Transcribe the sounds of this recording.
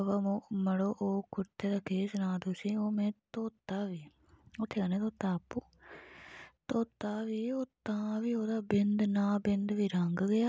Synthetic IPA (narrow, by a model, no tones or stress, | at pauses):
ʋamoːməɽoːʔoːkʊt̪eːd̪aːkeːsnãːd̪uːsiːoːmɛ̃ːt̪oːt̪aːʋiː | oːt̪ʰːeːkəneːt̪oːt̪aːpːuː | t̪oːt̪aːʋiːoːt̪ãːʋiːoːd̪aːbɪnd̪nãːbɪnd̪ʋiːɾəŋɡɡəjaː